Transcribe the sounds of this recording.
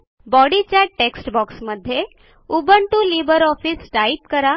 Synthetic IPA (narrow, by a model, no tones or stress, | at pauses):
bɔɽit͡ʃaʈʈːeksʈbɔksməd̪ʱːje | ubəɳʈulibəɾɔfisʈaipkəɾa